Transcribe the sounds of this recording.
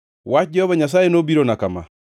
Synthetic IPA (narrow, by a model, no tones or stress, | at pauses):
wad͡ʒɛɔβaɲas̬aːjenobiɾonakama̰